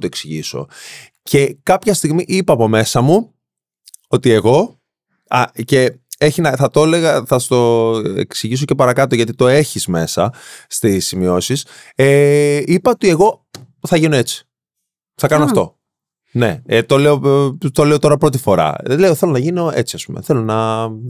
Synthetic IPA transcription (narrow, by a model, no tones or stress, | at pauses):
t̪oe̞ksiʝiso̞̰ | cʰe̞kɐpçɐst̪iɣmiʔipɐːpo̞me̞sɐmu | ot̪ie̞ɣo̞ | ɐce̞eçinɐθɐt̪o̞leɣɐθɐst̪o̞ḛksiʝiso̞ce̞pɐɾɐkɐt̪o̞ʝɐt̪it̪o̞e̞çizme̞sɐst̪isːimio̞siseipɐot̪ie̞ɣo̞ | θɐʝino̞e̞t͡si̥ | θɐkɐnoɐft̪o̞̰ | ne̞̰t̪o̞leot̪o̞leot̪o̞ɾɐpɾo̞t̪ifo̞ɾɐ̰leoθe̞lonɐʝino̞e̞̰t͡siɐspumḛθe̞lo̞nɐ